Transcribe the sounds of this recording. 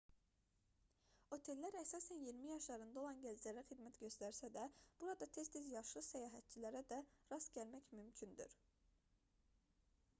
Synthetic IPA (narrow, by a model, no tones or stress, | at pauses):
ho̞t̪ʰe̞lːæɾæsɑːsænjiɾmijɑʃlˠɑɾɯnd̪ɑo̞lˠɑnɟæld͡ʒæɾæχid̪mæt̪ɟø̞st̪æɾsæd̪æb̥uɾɑd̪ɑt̪ʰe̞st̪ʰizjɑʃlˠɯsæjɑːɦæt̪̚t͡ʃʰilæɾæd̪æɾɑsɟælmæcmymcʰynd̪y̰ɾ